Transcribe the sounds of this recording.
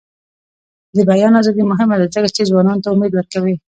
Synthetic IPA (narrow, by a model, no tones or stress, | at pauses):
d̪əbajɑnazɑd̪imʊɦɪmad̪azəkat͡ʃezwɑnɑnot̪aʊmed̪wəɾkawi